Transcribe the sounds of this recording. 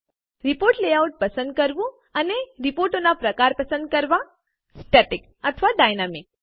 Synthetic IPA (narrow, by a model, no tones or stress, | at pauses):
ɾɪpoɾʈleauʈ̚pəsə̃nd̪̚kəɾʋũ | əneɾipoɾʈonapɾəkaɾpəsə̃nd̪̚kəɾʋa | sʈeʈɪk | ət̪ʰʋaɖajnamɪk̚